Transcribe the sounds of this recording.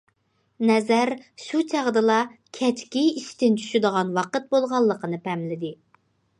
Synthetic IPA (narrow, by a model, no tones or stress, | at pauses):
nɛzæɾʃut͡ʃʰæʁd̪ɨlˠɑkʲʰɛt͡ʃkʲiiʃt̪ɪnt͡ʃʰy̥ʃyd̪əʁɑnwɑqət̪̚bolˠʁɑlˠːəqʰənɨpʰɛmlɪd̪ɪ